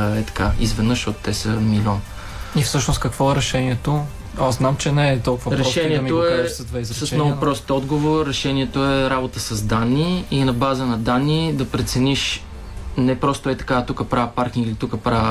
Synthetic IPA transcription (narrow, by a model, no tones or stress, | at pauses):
ɛt̪ɐ̥kaizvɛd̪nɤʃot̪ːɛsəmilʲɔn | ifsɤʃnost̪̚kɐkvɔɛɾɛʃɛniɛt̪o | aznamt͡ʃɛnɛɛt̪ɔlˠkuvɐɾɛʃɛniɛtmioɛsd̪vɛsəsnɔɡʊpɾɔst̪ɔd̪ɡovoɾːɛʃɛniɛt̪oɛɾabot̪əsɐzd̪anːiinɐbazənɐd̪anːid̪ɐpɾɛt̪sɛniʃ | nɛpɾɔst̪oɛt̪ɐ̥kat̪ukəpɾavəpaɾkiŋɡilit̪ukəpɾavə